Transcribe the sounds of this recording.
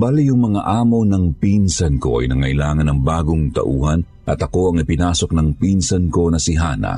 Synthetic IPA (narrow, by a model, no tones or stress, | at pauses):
balijʊŋmɐŋaʔaːmo̞nɐŋpinsɐnko̞̰ʔɐ̰jnɐŋɐjlaːŋɐnɐŋbaːɡoŋt̪ɐ̰ʔuːhɐn | ʔɐt̪ɐko̞ɐŋɪpɪnaːso̞k̚nɐŋpinsɐnko̞nɐsɪɦaːnɐ̰